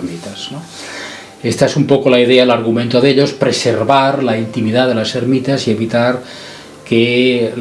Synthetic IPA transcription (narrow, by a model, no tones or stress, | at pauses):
mit̪asno | e̞st̪aesumpo̞ko̞laiðe̞aelaɾɣument̪oðe̞ʎo̞spɾe̞se̞ɾβaɾlaint̪imiðaðe̞lase̞ɾmit̪asie̞βit̪aɾ | ke